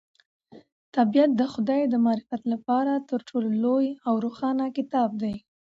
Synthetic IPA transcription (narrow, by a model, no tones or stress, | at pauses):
t̪abijat̪̚d̪əxʊd̪ɑjd̪əmɑːɾɪfat̪lapɑɾat̪əɾʈʰololojawɾoxɑnakɪt̪ɑb̚d̪aj